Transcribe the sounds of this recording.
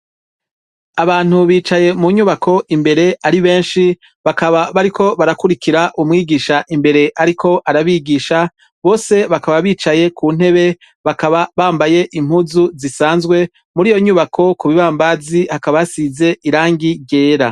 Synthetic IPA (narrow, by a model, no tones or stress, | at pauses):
aβaːn̥uβiːt͡ʃaje̞muɲuːβakʰo̞ʔimbe̞ɾe̞aɾiβe̞ːnʃi | βakaβaβaɾikʰo̞βaɾakuɾikiɾaʔumŋiːɡiːʃaʔimbe̞ɾe̞ʔaɾikʰo̞ʔaɾaβiːɡiːʃa | βo̞ːse̞βakaβaβiːt͡ʃaje̞kʰun̥e̞βe̞ | βakaβaβaːmbaje̞ʔim̥huzuzisaːnzɡwe̞ | muɾiːjo̞ɲuβakʰo̞kuβiβaːmbazihakaβajasize̞ʔiɾaːŋɡiɟe̞ːɾa